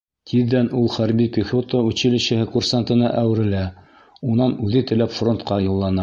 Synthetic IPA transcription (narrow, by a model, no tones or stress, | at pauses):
t̪ʰiðːænulˠχæɾbikɵ̆xot̪oʉɕɘ̆lɘ̆ɕɘ̆hɘkursant̪ɤ̆nɑʔæwɘ̆ɾɘ̆læ | unɑnʉðɘt̪ɘ̆læpfront̪qɑjulˠːɑnɑ